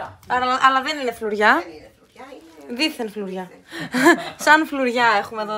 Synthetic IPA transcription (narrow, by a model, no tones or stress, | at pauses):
ɐɐʔɐlɐðenine̞fluɾʝɐ | ðiθenfluɾʝɐ | sɐnfluɾʝɐe̞xume̞ðo